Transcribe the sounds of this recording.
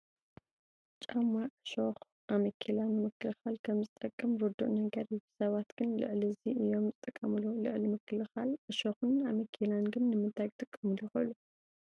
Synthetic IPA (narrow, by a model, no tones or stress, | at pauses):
t͡ʃʼamːaʕɨʃox | ʔamɐkʰilanːɨmɨkʰːɨlɨxalkʰɐmzɨt̪ʼɐkʼːɨmɾud̪ːuʔʼnɐɡɐɾibɨ̥sɐβat̪ɡ̥ɨnlɨ̰ʕliziʔɨjo̞mzɨt̪ʼɨkʼːɐmɨlulɨʕlimɨkːɨlɨxalɨʃoxɨnamɐkʰilanɡɨnːɨmɨnt̪ʰajkt̪ʼɨkʼːɐmɨluuxɐʔlu